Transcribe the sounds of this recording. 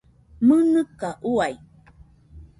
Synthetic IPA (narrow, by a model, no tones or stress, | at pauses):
mənəkaʔuaj